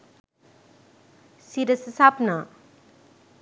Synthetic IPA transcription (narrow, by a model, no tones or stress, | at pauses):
siɾɐsɐsapna